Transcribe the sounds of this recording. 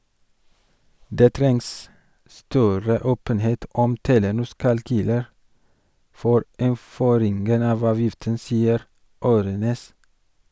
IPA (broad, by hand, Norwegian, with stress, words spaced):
ˈdeː ˈtɾɛŋs ˈstœɾə ˈoːpənˌheːt ˈɔm ˈteːlənʊs kɑlˈkyːləɾ ˈfoːɾ ɪnˈføːɾɪŋɡən ˈɑʋ ˈɑːʋjɪftən ˈsiːəɾ ˈoːɾøːˌneːs